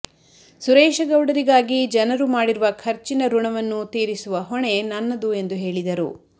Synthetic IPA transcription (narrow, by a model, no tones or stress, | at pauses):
suɾɛːʃɐɡɐwɽɐɾiɡaːɡid͡ʒɐnɐɾumaːɽiɾuʋɐkʰɐɾt͡ʃinɐɾuɳɐʋɐnːut̪iːɾisuʋɐɦɔɳe̞nɐnːɐd̪ue̞nd̪uɦe̞ːɭid̪ɐɾṵ